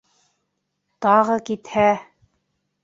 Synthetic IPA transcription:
t̪ɑʁɤkit̪hæ

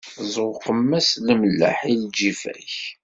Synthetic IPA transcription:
zˤʁqəmːæsləməlːə̰ħild͡ʒifæ̰ç

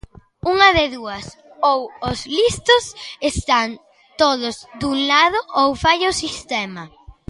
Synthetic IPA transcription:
uŋɐðeðuɐs | owozlist̪osest̪an | t̪oðʊzd̪uŋlaðʊʔowfajʊsist̪ɛmɐ

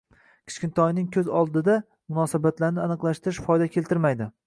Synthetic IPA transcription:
kʲʰɪ̥t͡ʃkʲɪnt̪ʰɒjnɪŋkʲʰɵzɒlˠd̪ɪd̪a | mʊnɒsabat̪laɾnɪanɨqlˠaʃt̪ɪɾɪʃfɒjd̪akʲʰe̞lt̪ʰɪɾmajd̪ɪ

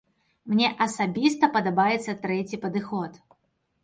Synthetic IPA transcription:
mnʲɛʔɐsabʲist̪ɐpɐd̪abajɛt̪sːɐt̪ɾɛt͡sʲipɐd̪ɨxɔt̪

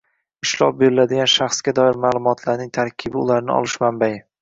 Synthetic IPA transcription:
ɪʃlˠɒ̰p̚be̞ɾɪlad̪ɪɡʲanʃaχsɡʲad̪ɒɪɾmaːlˠʊmɒt̪ʰlaɾnɪŋt̪ʰaɾkʲʰɪbɪʊlaɾnɪɒ̰lˠɪʃmambajɪ

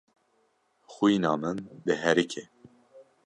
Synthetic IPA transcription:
xuinɑːmɨnd̪ɨɦɛɾikʰeː

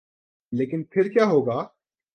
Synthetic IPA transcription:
leːkɪnpʰɪɾkjaːɦoːɡaː

